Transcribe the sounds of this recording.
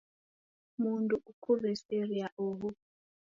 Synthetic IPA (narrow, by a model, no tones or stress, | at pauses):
muntʼuʔukʰureseriaʔoːɣu